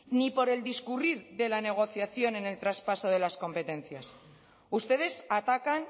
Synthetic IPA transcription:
nipo̞ɾe̞ld̪iskuriɾðe̞lane̞ɣ̞o̞θjaθjo̞ne̞ne̞lt̪ɾaspaso̞ð̞e̞lasko̞mpe̞t̪e̞nθjas | ust̪e̞ð̞e̞sat̪akan

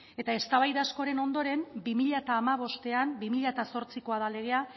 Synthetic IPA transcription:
e̞t̪aest̪aβajðasko̞ɾe̞no̞nd̪o̞ɾe̞mbimiʎat̪aːmaβo̞st̪e̞ambimiʎat̪aso̞ɾt͡siko̞aðale̞ɣ̞e̞a

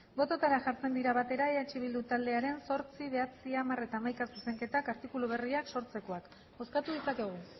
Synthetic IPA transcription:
bo̞t̪o̞t̪aɾaʝaɾt͡se̞nd̪iɾaβat̪e̞ɾaeat͡ʃiβ̞ild̪ut̪ald̪e̞aɾe̞nso̞ɾt͡siβe̞at͡siamare̞t̪aːmajkasuse̞ŋke̞t̪akaɾt̪ikuluβ̞e̞riakso̞ɾt͡se̞ko̞ak | o̞skat̪uð̞it͡sake̞ɣ̞u

